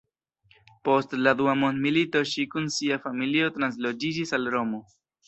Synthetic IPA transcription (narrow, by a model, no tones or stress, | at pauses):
po̞stladuamo̞ndmilito̞ʃikunsiafamilio̞tɾans̬lo̞d͡ʒid͡ʒisalɾo̞mo̞